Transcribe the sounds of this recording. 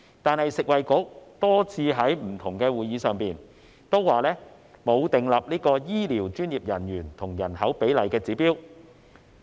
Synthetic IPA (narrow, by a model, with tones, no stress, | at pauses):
t̪aː˨nhɐ˨jsɪ˨k̚wɐ˨jkʊ˨˥k̚t̪ɔː˥t͡sʰiː˧ɦɐ˨˥jm̩˨˩t̪ʰʊ˨˩ŋkɛː˧wuː˨jiː˨˧sœː˨ŋpiː˨n | t̪o˥wwaː˨lɛː˥ | mo˨˧wt̪ɪ˨ŋlɐ˨p̚liː˥kɔː˧jiː˥liː˨˩wt͡ʃyː˥njiː˨p̚jɐ˨˩njyː˨˩nt̪ʰʊ˨˩ŋjɐ˨˩nhɐ˨˥wpe˨˥jlɐ˨˩jkɛː˧t͡siː˨˥piː˥w